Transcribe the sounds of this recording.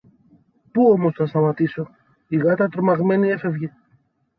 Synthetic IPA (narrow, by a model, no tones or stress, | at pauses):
puo̞mo̞sθɐst̪ɐmɐt̪iso̞ | iɣɐt̪ɐt̪ɾomɐɣme̞nie̞fe̞vʝe